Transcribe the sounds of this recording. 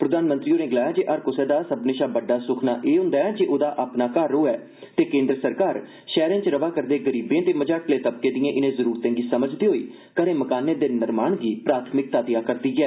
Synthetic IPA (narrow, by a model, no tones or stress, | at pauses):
pɾəd̪aːnmənt̪ɾiːoːnẽːɡəlaːjaːd͡ʒeːʔəɾkʊsɛːd̪aːsəbneːʃaːbəɖːaːsʊkʰnaːʔeːɦʊ̃ːnd̪aːɛːd͡ʒeːʔoːd̪aːʔaːpnaːkaːɾːoːɛː | t̪eːkẽːnd̪ɾəsəɾkaːɾ | ʃɛːɾẽːt͡ʃɾəʋaːkəɾd̪eːɡəɾiːbẽːt̪eːməd͡ʒaːʈʰleːt̪əb̚kẽːd̪ɪjẽːʔɪnẽːzəɾuːɾt̪ẽːŋɡiːsəməd͡ʒd̪iːɦoːiː | kəɾẽːməkaːnẽːd̪eːnɪɾmaːɳɡiːpɾaːt̪ʰmɪk̚t̪aːt̪ɪjaːkəɾd̪iːɡɛː